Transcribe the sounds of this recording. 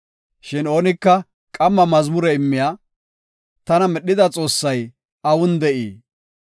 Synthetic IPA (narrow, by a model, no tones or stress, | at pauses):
ʃɪno̞ːnɪkːɐ | kʼɐmːɐmɐzmʊɾɛɪmːɪjaː | t̪ɐnɐmɛɗːɪd̪ɐt͡sʼo̞ːsːɐj | ɐwʊnd̪ɛʔiː